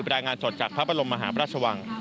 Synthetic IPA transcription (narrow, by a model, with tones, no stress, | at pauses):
ɾaː˧jŋaː˧nso˨˩t̪̚t͡ɕaː˨˩k̚pʰa˦˥pʰɾa˧lo˧mːa˧ɦaː˩˦pʰɾaː˥˩t̚sʰa˧wa˧ŋ